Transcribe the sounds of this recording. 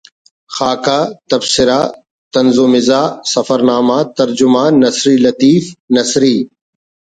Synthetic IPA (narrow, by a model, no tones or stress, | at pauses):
xaːkaːt̪ɐbsɪɾaː | t̪ɐnzʊmɪzaːsɐfɐɾnaːmaːt̪ɐɾd͡ʒʊmaːɐsɾiːlɐt̪iːfnɐsɾiː